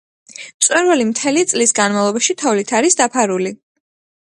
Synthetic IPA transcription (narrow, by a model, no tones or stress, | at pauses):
mt̪sʼwɛɾvalimt̪ʰɛlit̪sʼlisɡanmavlˠɔbaʃit̪ʰɔvlit̪ʰaɾisd̪apʰaɾuli